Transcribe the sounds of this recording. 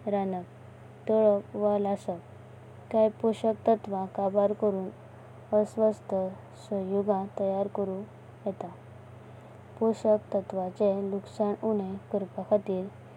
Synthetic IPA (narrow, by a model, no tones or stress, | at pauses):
ɾanək̚ | t̪əɭəʋalasək | kajpɔɕək̚t̪ət̪ʋãkabaɾkəɾuːn | əsʋəst̪ʰə | səjuɡãt̪əjaɾkəɾũ | jɛt̪a | pɔɕəkt̪ət̪ʋat͡seluksaɳuɽ̃ẽkəɾpakʰat̪iːɾ